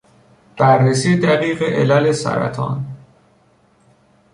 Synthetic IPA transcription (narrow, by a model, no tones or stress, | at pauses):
b̥ærːesiːd̪æɣiːɣeʔelælesæ̰ɾæ̰t̪ʰɒ̰ːn